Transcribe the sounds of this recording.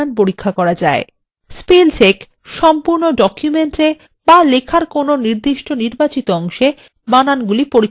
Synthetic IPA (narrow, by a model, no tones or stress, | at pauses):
anp̬oɾikʰːakɔɾad͡ʑae | spelt͡ɕek | ʃɔmpuɾnoɖɔkjumeɳʈe | balekʰaɾkononiɾd̪iʃʈoniɾbat͡ɕit̪oɔŋʃe | bananɡulipoɾikː